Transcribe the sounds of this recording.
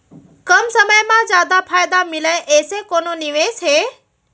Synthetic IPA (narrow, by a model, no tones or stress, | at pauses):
kəmsəməjmãːzjaːd̪apʰaːjd̪amɪləeʔeːsekoːnoːnɪʋeːsɦeː